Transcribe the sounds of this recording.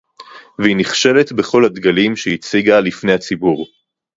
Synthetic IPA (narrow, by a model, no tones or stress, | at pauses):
vehiniχʃe̞le̞t̪be̞χo̞lhad̪ɡalimʃehit͡siɡalifne̞jhat͡sibuʁ